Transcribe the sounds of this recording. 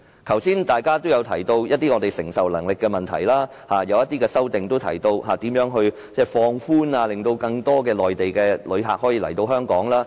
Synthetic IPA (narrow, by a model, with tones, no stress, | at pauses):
kʰɐ˨˩wsiː˥nt̪aː˨˩jkaː˥t̪o˥wjɐ˨˧wt̪ʰɐ˨˩jt̪o˧wjɐ˥t̚t̪ːiː˥ŋɔː˨˧t̪e˨jsɪ˨˩ŋsɐ˨wlɐ̰˨˩ŋlɪ˨kːɛː˧mɐ˨nt̪ʰɐ˨˩jlaː˥ | haː˨˧jɐ˨˧wjɐ˥t̪ːiː˥kɛː˧sɐ˥wt̪ɪ˨ŋt̪o˥wt̪ʰɐ̰˨˩jt̪o˧whaː˨t̪iː˨˥mjœː˨˥ŋɦɵ˧ɥ | t͡sɛː˥˩fɔː˧ŋfuː˥naː˧lɪ˨ŋt̪o˧wkɐ˧ŋt̪ɔː˥kɛː˧lɔː˨jt̪e˨jkɛː˧lɵ˨˧ɥɦa̰ː˨k̚hɔː˨˥jiː˧lɐ˨˩jt̪o˧wɦœː˥ŋkɔː˨˥ŋlaː˥